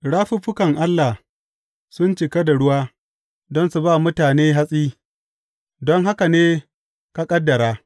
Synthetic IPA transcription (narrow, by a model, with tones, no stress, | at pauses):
ɽaː˦ɸu˦ɸʊ˦kɐ˨ŋʔa˦lːa˨h | sʊ˦nt͡ʃɪ˨ka˦da˨ɽʊ˦waː˦ | dɔ˦nsu˨baː˦˨mʊ˦taː˨neː˦ɦa˦sʼiː˦ | dɔ˦ŋɦa˦ka˨neː˦ | ka˦kʼɐ˦dːɐ˨ɾaː˦